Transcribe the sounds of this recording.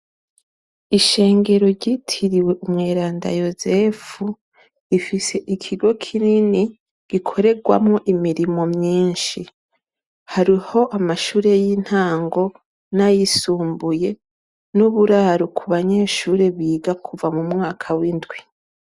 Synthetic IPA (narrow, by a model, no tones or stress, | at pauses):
iʃe̞ːŋɡe̞ɾo̞ɾɟitʰiɾiwe̞ʔumŋeːɾaːnda̰jo̞zefu | ifise̞ʔikʰiɡo̞kʰinini | ɡ̥ikʰo̞ɾe̞ɡwa̰mŋoʔimiɾimo̞mɲiːnʃi | haɾiho̞ʔamaʃuːɾe̞jin̥haːŋɡo̞ | najisuːmbuje̞ | nuβuɾaːɾokʰuβaɲe̞ːʃuːɾe̞βiːɡakʰuvamumŋaːkʰawindɡwi